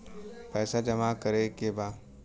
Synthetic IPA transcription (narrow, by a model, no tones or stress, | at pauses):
pɛːsad͡ʒɐmakɐɾekebaː